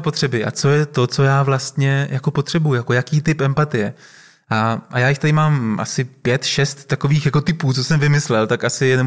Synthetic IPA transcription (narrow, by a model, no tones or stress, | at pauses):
po̞t̪r̥ɛbɪʔa̰t͡so̞jɛt̪o̞t͡so̞jaːvlast̪ɲɛjako̞po̞t̪r̝̥ɛbujʊjako̞jakiːt̪ɪpʔɛmpat̪ɪjɛ | ʔaʔajaːjɪxt̪adɪmaːmʔa̰sɪpjɛt̪ʃɛst̪ːako̞viːxjako̞t̪ɪpuːt͡so̞sɛmvɪmɪslɛlt̪akʔasɪjɛnom